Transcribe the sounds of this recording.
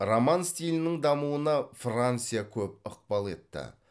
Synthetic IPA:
romanst̪ʲilʲɪnɪŋd̪ɑmuənɑfrant̪sɨjakʲʰɵp̚əq̚pɑlˠe̞̰t̪ːɪ̰

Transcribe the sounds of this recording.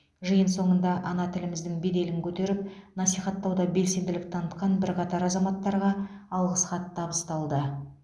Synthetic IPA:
ʒɨjənso̞ɴənd̪ɑʔɑnɑt̪ʰɪlɪmɪzd̪ɪŋbe̞d̪e̞lɪŋkʲʰɵt̪e̞ɾɪp̚nɑsijχɑt̪ːɑwd̪ɑbe̞lse̞nd̪ɪlɪp̚t̪ʰɑnət̪qɑnbɪɾqɑt̪ɑɾɑzɑmɑt̪ːɑɾʁɑɑlˠʁəsχɑt̪ʰːɑbəst̪ɑlˠd̪ə

